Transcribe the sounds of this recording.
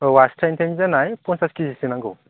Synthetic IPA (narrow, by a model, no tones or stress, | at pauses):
wastʰajntʰenzanajpɔnsaskizisinaŋɡɯ